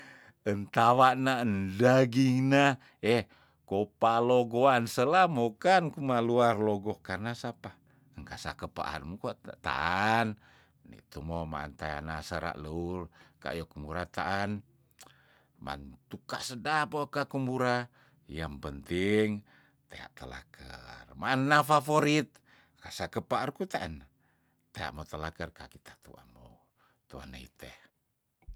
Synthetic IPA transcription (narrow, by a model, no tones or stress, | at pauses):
ənt̪awaʔnaəndaɡiŋna | ɛ | kopaloɡoansəlamokankumaluarloɡɔkarnasapa | əŋkasa̰kəpa̰ʔa̰nmukot̪a̰ʔan | nḭt̪umoma̰ːnt̪a̰ja̰nasəɾa̰ʔləulka̰jokumbuɾat̪a̰ʔan | ma̰nt̪ukaʔsədapokakumbuɾa | jampənt̪iŋ | t̪ea̰ʔt̪əla̰kʰə̰rmaʔːnːafafoɾit̪̚ | kasakəpaʔarkut̪aana | t̪ea̰ʔmot̪əlakərkakit̪ʰḁt̪ṵamo | t̪ua̰naḭt̪ɛh